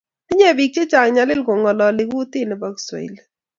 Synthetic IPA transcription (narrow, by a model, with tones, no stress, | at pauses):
ɪ˦ɲe˦˨bi˨k̚t͡ʃe˦t͡ʃa˨ŋɲa˨lɪ˦lko˨ŋɡɔ˨lɔ˨lɪ˨ku˦tɪ˦˨nɛ˨ba˦kswɔ̰˨ḭ˨l